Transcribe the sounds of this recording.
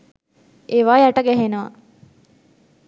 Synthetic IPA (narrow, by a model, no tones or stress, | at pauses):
eːʋaːjaʈəɡæɦenəʋa̰